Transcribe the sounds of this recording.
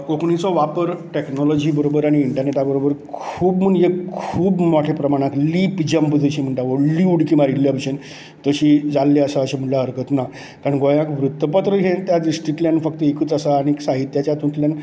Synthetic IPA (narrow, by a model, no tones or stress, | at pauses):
kokʰɳit͡sɔʋapəɾʈeknɔlɔd͡ʑiːbəɾobəɾaɽ̃iːɳʈəɾneʈabəɾobəɾkʰuːbm̤əɳjekʰuːbmɔʈʰepɾəmaɽ̃ãt̪liːpd͡ʑəmpd͡z̪ʱəɕim̤əɳʈ̪aʋoɽliuɽkimaɾilːjabəɕen | t̪əɕiːd͡zalːeəsaəɕem̤əɳʈlaɦəɾkət̪na | kaɾəɳɡojãkʋɾut̪ːəpat̪ɾəɦet̪jaɖisʈɾiʈljanfək̚t̪əekɨːt͡səsaːɽ̃iksaɦit̪jat͡ɕat̪ũnt̪ljan